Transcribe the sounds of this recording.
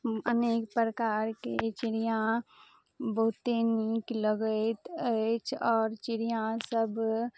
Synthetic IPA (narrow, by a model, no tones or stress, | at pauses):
əneːkpɾəkaːɾket͡ʃɪɾijã | bəɦʊt̪eniːkləɡət̪ət͡ʃɔːɾt͡ʃɪɽijãsəb